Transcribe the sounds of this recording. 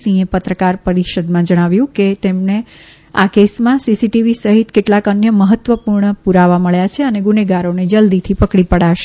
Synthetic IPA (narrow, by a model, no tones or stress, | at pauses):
sĩepət̪ɾəkaɾpəɾiʃəd̪mãd͡ʒəɽ̃aʋjũket̪emɳe | a̰kesmãsisiʈiʋisəɦit̪keʈlakənjəməɦət̪ːʋəpuɾɳəpuɾaʋaməɭjat͡ʃʰeəneɡuneɡaɾoned͡ʒəld̪it̪ʰipəkɽipəɽaʃe